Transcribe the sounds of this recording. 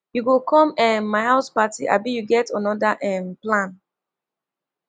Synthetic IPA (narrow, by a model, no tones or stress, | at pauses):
juɡokʰɔ̃mɛ̃mːaɪhaʊspatiʔa̰bijuɡɛtɔ̃nɔdaʔɛ̃mplãn